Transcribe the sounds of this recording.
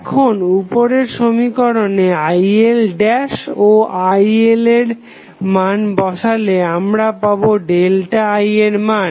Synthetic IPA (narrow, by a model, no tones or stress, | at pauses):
kʰonupoɾeɾʃomikɔɾoneajelɖɛʃoʔajeleɾ | manbɔʃaleamɾapaboɖelʈaajeɾman